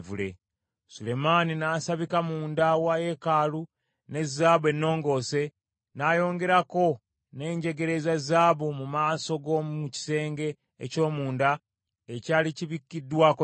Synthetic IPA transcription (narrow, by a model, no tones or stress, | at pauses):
vulḛ | sule̞maninaːsaβikamuːndawaje̞kaːlu | ne̞zːaːβe̞nːo̞ːŋɡo̞ːse̞ | naːjo̞ːŋɡe̞ɾako̞ | ne̞ːɲɟe̞ɡe̞ɾe̞zazaːβumumaːso̞ɡouci̥se̞ːŋɡe̞ː | co̞ːmuːnda | ecaːliciβikːidːwako